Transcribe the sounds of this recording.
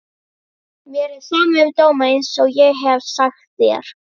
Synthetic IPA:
mjɛɾɪθɛmʏmt̪oːwmaɪnsɔɣjɛɣɦɛvsaxt̪θjɛ̰ɾ̥

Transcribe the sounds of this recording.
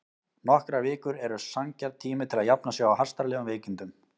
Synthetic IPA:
nɔhkɾavɪːkʏɾɛɾʏsaŋcaɾt̪ʰːiːmɪt̪ʰɪlaðjapnasjɛwawhḁst̪aɾlɛːɣʏmveːcint̪ʏm

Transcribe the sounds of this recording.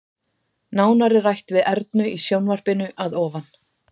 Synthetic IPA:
naːwnaɾɪrajht̪vɪðɛɾt̪̚nʏisjownvar̥pɪnʏʔaðɔːvan

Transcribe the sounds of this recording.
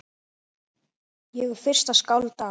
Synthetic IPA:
jɛɣʏɾ̥fɪr̥st̪aðskawlt̪a

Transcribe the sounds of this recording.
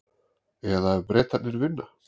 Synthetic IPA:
ɛðaɛbɾɛːt̪at̪nɪɾvɪnːa

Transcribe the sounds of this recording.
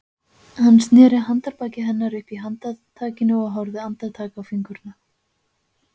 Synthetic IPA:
hanːst̪nɛːɾɪɦant̪aɾpaːcɪɦɛnːaɾʏhpiɦant̪aðt̪ʰaːcɪnʏɔɣɦɔwɾðɪant̪aðt̪ʰaːkawfiŋkʏɾna

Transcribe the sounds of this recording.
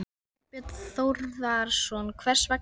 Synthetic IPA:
pɪt̪θowɾðaɾsɔnkʰvɛr̥svɛk

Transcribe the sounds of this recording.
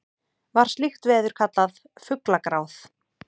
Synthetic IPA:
vaɾ̥st̪lixt̪vɛːðʏɾ̥kʰat̪lað | fʏklakɾaːwθ

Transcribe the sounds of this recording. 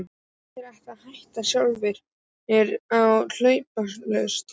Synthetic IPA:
tɪɾajht̪aðhajht̪asjawlvɪɾ̥ | ɛɾawl̥œɥpalœst̪

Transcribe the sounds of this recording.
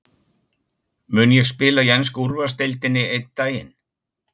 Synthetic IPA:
mʏːnjɛɣspɪːlajɛns̬kuɾvast̪ejlt̪ɪnːɪejt̪t̪ːaːjɪ̰n

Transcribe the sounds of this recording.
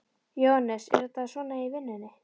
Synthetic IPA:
johanːɛsɛ̰ɾʏt̪aðsvɔːnaivɪnːʏnːɪ

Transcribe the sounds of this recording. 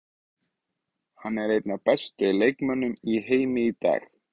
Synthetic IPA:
hanːɛɾejt̪napɛst̪ʏlejkmœnːʏmiɦeːjmɪit̪a̰ːx

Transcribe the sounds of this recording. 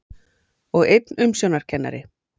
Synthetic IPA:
ɔɣejt̪nʏmsjownaɾ̥cʰɛnːa̰ɾɪ

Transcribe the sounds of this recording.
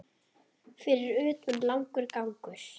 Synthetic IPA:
fɪɾɪɾʏːt̪ʏnlawŋkʏɾkawŋkʏɾ̥

